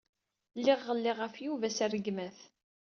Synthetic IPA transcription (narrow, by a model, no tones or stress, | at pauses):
lːɪʁːəlːɪʁəfjuvæsærəɡmæθ